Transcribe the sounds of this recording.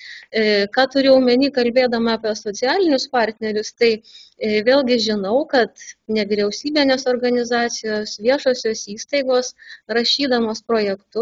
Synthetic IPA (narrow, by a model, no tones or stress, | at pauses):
kɑːt̪ʊɾʲɪɐʊmʲɛnʲiːkɐlʲbʲeːd̪ɐmɐɑpʲɛsoːt͡s̪ʲɪjæːlʲɪnʲʊspɑːɾʲt̪ʲnʲɛɾʲʊst̪ɐɪʋʲeːlʲˠɡʲɪʒʲɪnɐʊkɐt̪nʲɛʋʲiːɾʲɛʊsʲiːbʲinʲeːsoːrɡɐnʲɪzɑːt̪sʲɪjoːsʋʲiɛʃoːsʲoːsiːst̪ɐɪɡoːsɾɐʃʲiːd̪ɐmoːspɾoːjɛkt̪ʊ